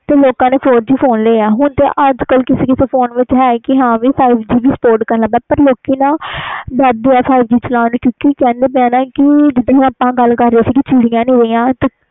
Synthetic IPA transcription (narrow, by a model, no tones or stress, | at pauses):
t̪eːloːkãːneːpʰoːɾd͡ʒiːpʰoːnleːãːɦʊɳt̪ḛːʔəd͡ʒkəlkɪseːkɪseːpʰoːnʋɪt͡ʃɦɛːkɪɦãːʋiːpʰaːɪbd͡ʒiːʋiːsə̥poːɾʈkəɾnələːɡd̪aːpəɾloːkiːnãːb̪ɛːd̪eːaːpʰaːɪbd͡ʒiːt͡ʃəlãːnũːkjõːkikɛ̃ːnd̪eːbɛ̃ːnãːkɪd͡ʒɪd̪õːɦãːəpãːɡəlkəɾːeːsiːkɪt͡ʃɪɽɪjãːnĩːɾəjãːt̪eː